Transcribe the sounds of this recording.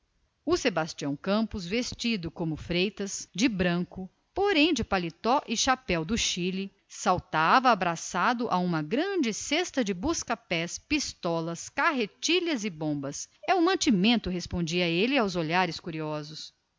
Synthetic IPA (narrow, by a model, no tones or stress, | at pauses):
ʊsebast͡ʃiɐ̃w̃kɐ̃mpʊzvest͡ʃid̪ʊkõmʊfɾejt̪ɐsd͡ʒɪbɾɐ̃kʊ | poɾẽj̃d͡ʒɪpalit̪ɔʔɪʃapɛwd̪ʊʃilɪ | sawt̪avɐːbɾasad̪ʊʔaũmɐɡɾɐ̃d͡ʒɪsest̪ɐd͡ʒɪbuskɐpɛspist̪ɔlɐskaɦet͡ʃiʎɐzɪbõbɐsɛʊmɐ̃t͡ʃimẽnt̪ʊɦespõnd͡ʒiɐelɪawzoʎaɾɪskuɾiɔzʊs